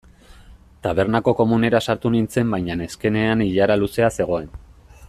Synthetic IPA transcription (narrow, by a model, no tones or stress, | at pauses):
t̪aβ̞e̞ɾnako̞ko̞mune̞ɾasaɾt̪unint͡se̞mbajɲane̞ske̞ne̞aniʎaɾaluse̞ase̞ɣ̞o̞e̞n